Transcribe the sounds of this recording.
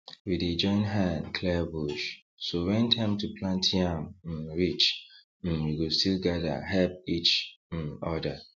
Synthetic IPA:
wided͡ʒɔ̃ɪ̃nɦãnkʰlɛbuʃ | sowɛ̃nthɛ̃mtupʰlãntʰiãm̩ɹit͡ʃ | m̩wiɡostilɡaðə̰ɦɛlp̚it͡ʃ̩ | ɔda

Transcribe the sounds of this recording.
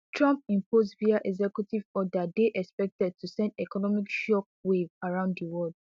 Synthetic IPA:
tʰɹɔ̃mpĩmpʰosviaʔɛɡzɛkjutivɔdadeʔɛkspɛk̚tɛd̚tʰusɛ̃ndɛkɔnɔmikʃɔk̚wevaɹãʊ̃ndðiwɔld̥̚

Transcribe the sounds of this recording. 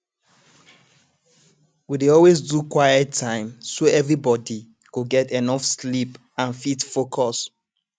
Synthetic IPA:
wideɔlwezdukwajɛtʰːãɪ̃msoɛvɹibɔdi | kuɡɛtɛnɔfslip | ãnfitfokʰɔs

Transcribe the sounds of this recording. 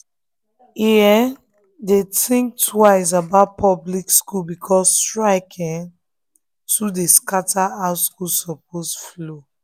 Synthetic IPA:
iɛ | detĩŋk̚tʰwaɪs̬abaʊt̚pʰɔblikskulbikʰɔstɹaɪkʰɛ̃n | tudeskatʰaaʊskulsɔp̚osflo

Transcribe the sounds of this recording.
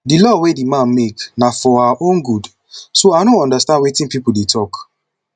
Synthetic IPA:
dilɔwedimãnmeknafɔaʔõnɡud | soadõnɔ̃ndəstãndwetĩnpipuldetʰɔk

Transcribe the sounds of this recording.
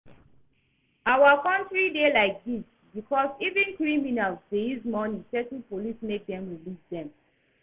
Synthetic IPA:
awakɔ̃ntɹidelaɪk̚dis | bikʰɔsivĩnkɹiminalzdeizmɔnĩŋsɛtn̩polismek̚dɛ̃mɹilisdɛ̃m

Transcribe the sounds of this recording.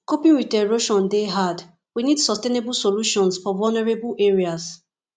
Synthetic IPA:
kopĩnɹitɛɹoʃɔ̃ndeɦad | winidsɔstenebulsoluʃɔ̃nsfɔvɔlnɛɹebulʔeɹias

